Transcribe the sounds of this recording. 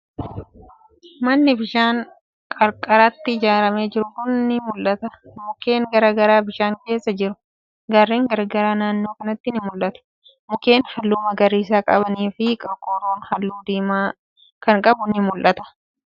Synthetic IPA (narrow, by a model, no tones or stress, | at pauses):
mɐnːɪbɪʃaːŋ | kʼɐɾkʼɐɾɐt̪ːɪɪd͡ʒaːɾɐmeːd͡ʒɪɾʊkʊnːɪmʊlʔɐt̪ɐmʊke̞ːŋɡɐɾaːɡɐɾaːbɪʃaːŋke̞ːsːɐd͡ʒɪɾʊ | ɡarːiːŋɡɐɾɡɐɾaːnaːnːo̞ːkɐnɐt̪ːɪnɪmʊlʔɐt̪ʊ̥ | mʊke̞ːnhɐlːʊːmɐɡɐɾiːs̬aːkʼɐbɐniːfɪkʼɐkʼoːɾoːnhɐlːuːd̪iːmaː | kɐŋkʼɐbʊnːɪmʊlʔɐt̪ɐ̥